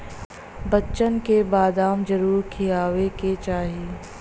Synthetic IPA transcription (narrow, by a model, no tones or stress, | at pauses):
bɐtːʃənkebaːd̪aːmd͡ʒɐɾuːɾkʰijaːweket͡ʃaːɦieː